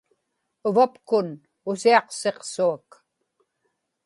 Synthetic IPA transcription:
ʊvapkʊn | ʊsiɑqse̞qsuak

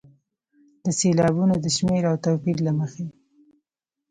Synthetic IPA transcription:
d̪əselɑbunod̪əʃmeɾawt̪opiɾlaməxe

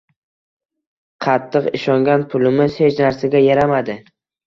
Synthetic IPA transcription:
qʰɑt̪ʰːɨqɪʃɒŋɡʲanpʰʊlɪmɪz̥he̞t͡ʃnaɾsaɡʲajaɾamad̪ɪ

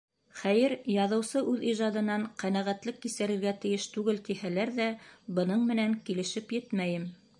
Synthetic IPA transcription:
χæjɘɾjɑðɤ̆wsɤʔʉðiʒɑd̪ɤ̆nɑɴqænæʁæt̪lɘkːisɘ̆ɾɘ̆ɾɡæt̪ɘ̆jɘʃt̪ʉɡɘlt̪ihælæɾðæbɤ̆nɤɴmɘ̆næŋkilɘ̆ʃɘpjɘt̪mæjɘm

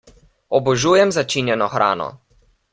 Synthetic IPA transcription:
ɔbɔʒuːjɛmzat͡ʃinjɛnɔxɾʔa̰ːnɔ̰

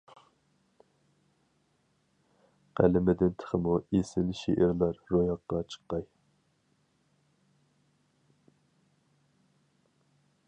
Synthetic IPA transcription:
qʰæ̰lɪmɪd̪ɪnt̪ʰə̥χəmuesɪlʃḛʔɪɾlˠɑɾːojɑqːɑt͡ʃʰə̥qːɑj

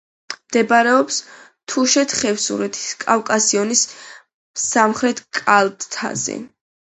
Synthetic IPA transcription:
md̪̥ɛbaɾɛɔps | t̪ʰuʃɛt̪ʰχɛvsṵɾɛt̪ʰi̥skʼafkʼasiɔnis | samχɾɛt̪ʰkʼalt̪ʼt̪ʰa̰zɛ̰

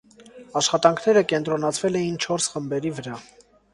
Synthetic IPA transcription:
ɑʃχɑt̪ɑŋkʰn̪ɛɾəkɛnt̪ɾɔnɑt͡sʰvɛlɛjint͡ʃʰɔɾsχəmbɛɾivəɾɑ

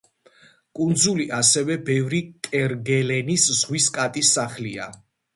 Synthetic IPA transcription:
kʼund̪zuliʔasɛvɛbɛvɾikʼɛɾɡɛlɛniszʁwiskʼat̪ʼisːaχlia

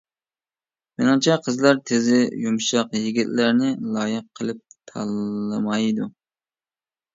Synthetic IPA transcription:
mɪnɨŋt͡ʃʰɑqʰəzlˠɑɾt̪ʰɪzɪjumʃɑqjiɡʲit̪læɾnɪlˠɑːjɨqʰːəlˠɨp̚t̪ʰɑlˠɨmɑjd̪u

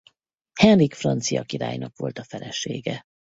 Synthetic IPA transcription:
hɛnrikfrɒnt̪sijɒkiɾa̰ːjnɒkʋo̞lt̪ɒfɛlɛʃeːɡɛ

